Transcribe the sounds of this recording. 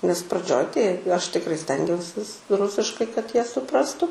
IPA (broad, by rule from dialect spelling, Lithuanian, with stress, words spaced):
nʲɛs prɐˈd͡ʒʲoːj tɐɪ ˈɐʃ tʲɪkˈrɐɪ ˈsʲtʲɛŋʲɡʲɛʊsʲɪs ˈrʊsʲɪʃkɐɪ kɐt ˈjiɛ sʊˈprɑːstʊ